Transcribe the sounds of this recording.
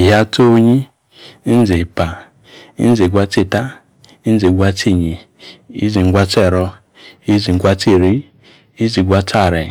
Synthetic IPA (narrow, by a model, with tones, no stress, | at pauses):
ɦa˦to˦ɲi˦ | n˦ze˨pa˨ | i˦n˦ze˨ɡʷa˧˦ti˦˨ta˦ | i˦n̩˦ze˨ɡʷa˧ti˦˨ɲi˨ | ḭ˦zi˨ŋ˨ɡʷa˧tɛ˦˨ɾɔ˧ | i˦zi˨ɡʷa˧ti˦˨ɾi˦ | i˦zi˨ɡʷa˧ta˦˨ɾɛ˨